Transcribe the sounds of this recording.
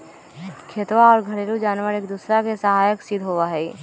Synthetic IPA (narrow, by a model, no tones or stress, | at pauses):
kʰeːt̪ʋaɔːɾɡʱəɾeːɾud͡ʒaːnʋəɾeːkd̪uːsɾakesəɦaːjəksɪd̪ʱɦoʋaɦɛ